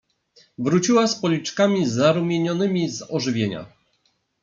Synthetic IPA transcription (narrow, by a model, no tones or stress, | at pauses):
vɾut͡ɕiwaspɔlʲit͡ʂkamʲizaɾumʲjeɲɔnɘmʲizɔʐɘvʲjeɲa̰